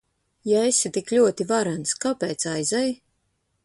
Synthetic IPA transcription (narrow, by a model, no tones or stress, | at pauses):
jaesit̪iklʲuɔt̪ivaɾanskapɛːt̪sajzɛj